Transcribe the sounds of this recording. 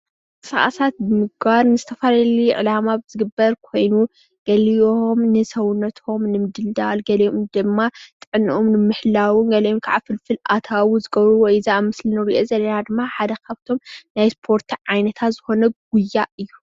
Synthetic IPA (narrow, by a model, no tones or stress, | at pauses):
kʼɨsaʔa̰sat̪̚bɨmɨɡ̚baɾnɨzɨt̪ʰɐfalɐliʕɨ̰lamabɨzɨɡɨbːɐɾkʰo̞jnu | ɡ̥ɐlijoomnɨsɐwʊnːɐt̪ʰhomnɨmɨd̪ɨld̪alɡɐlɐomd̪ɨmːat̪ʼɨʕɨnʔomnɨmɨħlawɨnɡɐlɐjonkʰaʕafɨlfɨlʔat̪ʰawuzɨɡɐβɾuwɔjzaamɨslɨnɨɾiʔozɐlːɐnad̪ɨmːaħad̪ɐkʰaβt̪ʰo̞mnajspʰo̞ɾt̪ʰʕajnɐt̪ʰat̪z̥ɨxo̞nɐɡ̥̚ujːaʔɨjːu